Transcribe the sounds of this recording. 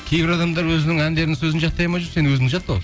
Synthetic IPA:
e̞jbɪɾɑd̪ɑmd̪ɑɾwɵzɪnɪŋænd̪e̞ɾɪnɪŋsɵzɪnʒɑt̪ːɑjmɑʒʊɾse̞nɪwɵzɪmd̪ɪʒɑt̪ːəʁo

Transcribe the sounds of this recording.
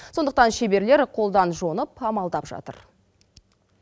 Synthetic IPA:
so̞nd̪əq̚t̪ɑnʃe̞be̞ɾle̞ɾqʰo̞lˠd̪ɑnʒo̞nəpɑmɑlˠd̪ɑpʒɑ̰t̪ə̰ɾ

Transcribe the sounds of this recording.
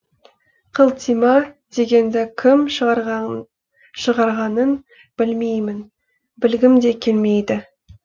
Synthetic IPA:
qʰəlˠt̪ʰijmɑd̪̥e̞ɡʲe̞nd̪ɪkʲʰɪmʃəɾ | ʃəʁɑɾʁɑnən | b̥ɪlme̞jmɪn | bɪlɡʲɪmd̪e̞kʲʰe̞lme̞jd̪ɪ

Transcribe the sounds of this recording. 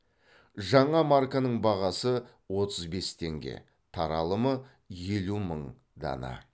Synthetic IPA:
ʒɑɴɑmaɾkanəɴbɑʁɑsə | wo̞t̪əzbe̞st̪ʰe̞ŋɡʲe̞̰ | t̪ʰɑɾɑlˠəmə | je̞luməɴ | d̪ɑ̰nɑ̰

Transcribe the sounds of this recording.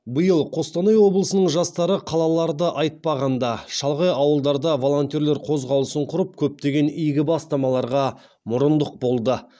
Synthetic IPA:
bəjəlˠqʰo̞st̪ɑnɑjwo̞blˠəsənəɴʒɑst̪ɑɾəqʰɑlˠɑlˠɑɾd̪əʔɑjt̪̚pɑʁɑnd̪ɑʃɑlˠʁɑjɑwəlˠd̪ɑɾd̪ɑvo̞lˠo̞nt̪joɾle̞ɾqʰo̞zʁɑwlˠəsəɴqʰʊɾəp̚kʲʰɵp̚t̪e̞ɡʲe̞nijɡʲɪbɑst̪ɑmɑlˠɑɾʁɑ | mʊɾənd̪əq̚bo̞lˠd̪ə

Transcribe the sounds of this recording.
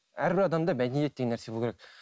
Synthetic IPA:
æɾbɪɾɑd̪ɑmd̪ɑbæd̪enijet̪̚deɡʲenːæɾsebulkʰʲeɾek̚ʲ

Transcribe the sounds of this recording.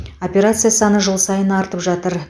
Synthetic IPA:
o̞pʲe̞ɾat̪sɨjasɑnəʒəlˠsɑjənɑɾt̪əpʒɑt̪əɾ

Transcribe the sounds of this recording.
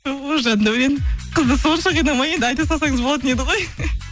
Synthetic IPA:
oʒɑnnd̪ɑwɾenɪqʰəzd̪əsonʃɑʁenɑmɑje̞nd̪ɪɑjt̪ɑsɑsɑŋəzbolˠɑt̪əne̞d̪ɪʁo̞j

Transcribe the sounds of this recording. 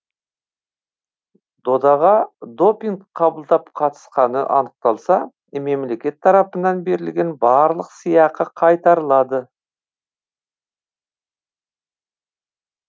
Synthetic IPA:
d̪o̞d̪ɑʁɑd̪o̞piŋɡqʰːɑbəlˠd̪ɑpqʰɑt̪ə̥sqɑnəʔɑnəq̚t̪ɑlˠsɑ | me̞mle̞kʲe̞t̪ʰːɑɾɑpənɑnbe̞ɾɪlɡʲe̞nbɑɾlˠəqsijɑqəqʰɑjt̪ɑɾəlˠɑd̪ə

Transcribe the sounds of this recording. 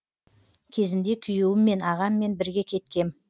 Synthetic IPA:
kʲʰe̞zɪnd̪e̞kʲʰʏjuwɪmːe̞nɑʁɑmːe̞nbɪɾɡʲe̞kʲʰe̞t̪kʲe̞m

